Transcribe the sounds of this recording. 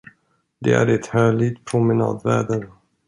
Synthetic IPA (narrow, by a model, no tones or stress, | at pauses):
d̪ɛ̰æ̰ɾɛt̪hœːlɪt̪pʰɾʊmɛnɑ̰ːd̪væ̰ːd̪aɾə